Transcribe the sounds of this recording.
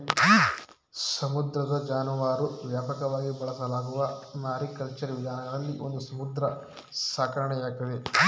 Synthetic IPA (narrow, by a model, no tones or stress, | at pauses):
sɐmud̪ɾɐd̪ɐd͡ʒaːnɐʋaːɾuʋjaːpɐkɐʋaːɡibɐɭɐsɐlaːɡuʋɐnaːɾikɐlt͡ʃɐɾɐʋid̪ʱaːnɐɡɐɽɐlːiʔond̪usɐmud̪ɾɐ | saːkɐɾɐɳɛjaːk̚t̪ɐd̪e